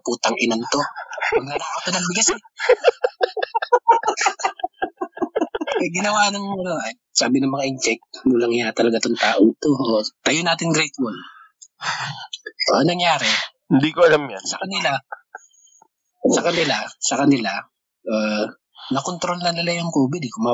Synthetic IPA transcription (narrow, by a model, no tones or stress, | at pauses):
puːt̪ɐŋʔɪnant̪o̞ɐɡnɐd̪aːʔot̪ɐnɐŋbɪɡɐsɛ | ɐɡɪnɐwaːnɐŋɐnoɐ | saːbɪnɐŋmɐŋaʔɪnt͡ʃɛk̚t̪̚muːlɐŋɪjat̪ɐlɐɡat̪oŋt̪aːʔot̪oot̪ɐjonaːt̪ɪŋɡɾɛjt̪wol | ʔoʔɐnɐŋjaːɾɛhɪnd̪ikoɐlamjasɐkɐnɪla | sɐkɐnɪlasɐkɐnɪla | ʔaː | nɐkont̪ɾo̞lnɐnɪlajʊŋkoːbɪd̪ɛkʊma